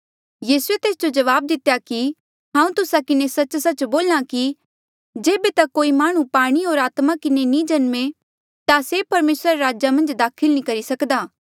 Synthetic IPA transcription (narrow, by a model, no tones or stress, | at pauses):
jiːsuet̪eːsd͡ʒod͡ʒɐʋaːb̚d̪ɪt̪ejaki | ɦãːũt̪ʊsakɪnesɐt͡ʃsɐt͡ʃboːlãki | d͡ʒeːbet̪ɐkoːimaːɽ̃ũpaːɽ̃iɦoːɾaːt̪makɪnenĩd͡ʒɐnme | t̪asepɐɾmeːsɾaɾeɾaːd͡ʒamɐ̃nd͡ʒd̪aːkʰɪlnĩkɐɾisɐkd̪aː